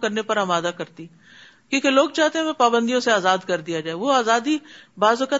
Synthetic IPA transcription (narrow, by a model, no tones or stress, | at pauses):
kɐɾnepɐɾɐmaːd̪akɐɾt̪i | kjõːkeloːɡt͡ʃaːt̪eɦɛ̃mẽpaːbə̃nd̪ijõseaːzaːd̪kɐɾd̪ijad͡ʒaːeʋoːaːzaːd̪ibaːzkə